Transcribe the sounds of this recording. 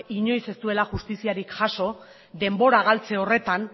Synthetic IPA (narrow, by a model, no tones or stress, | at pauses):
iɲo̞jse̞st̪ue̞laʝust̪isiaɾikʝaso̞ | d̪e̞mbo̞ɾaɣalt͡se̞o̞re̞t̪an